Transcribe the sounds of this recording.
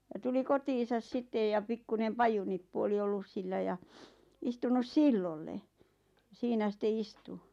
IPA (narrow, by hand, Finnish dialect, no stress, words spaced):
jɑ tuli kotiːsɑs sitːej jɑ pikːunem pɑjunipːu oli olːus silːæ jɑ istunus silːolːe siːnæ sĭte istu